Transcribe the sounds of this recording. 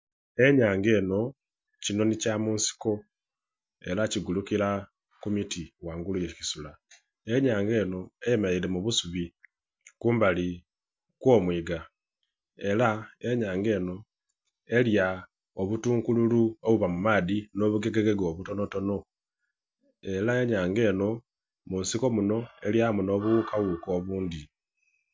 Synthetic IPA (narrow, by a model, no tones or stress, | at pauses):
e̞ɲaːŋɡe̞ːno̞ | cino̞nicamuːnsi̥ko̞ | e̞laciɡulukiɾa | kumitiwaːŋɡulujecisula | eɲaːŋɡe̞ːno̞ejemaile̞muβusuβi | kuːmbali | kwo̞ːmwiːɡa | e̞lae̞ɲaːŋɡe̞ːno̞ | e̞lja | oβutuːŋkululuoβuβamumaːdino̞βuɡe̞ɡe̞ɡeɡoβutono̞to̞no | e̞lae̞ɲaːŋɡe̞ːno̞ | munsiko̞muno̞e̞ljamuno̞βuukawuko̞ːβuːndi